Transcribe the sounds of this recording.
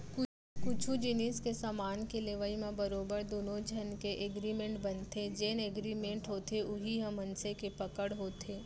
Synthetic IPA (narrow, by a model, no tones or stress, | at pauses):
kʊ | kʊt͡ʃʰud͡ʒɪniskesamaːnkeleːʋəimẽbɐɾoːbəɾd̪oːnod͡ʒʱɐnkeʔeɡɾiːmẽɳʈbɐnt̪ʰed͡ʒeːneɡɾiːmẽɳʈɦoːt̪ʰeʊɦiɦɐ̃mːɐnsekepɐkəɽɦoːt̪ʰeː